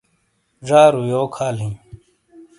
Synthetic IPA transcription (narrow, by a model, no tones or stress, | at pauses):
ʐaːɾujoːkʰaːlɦĩm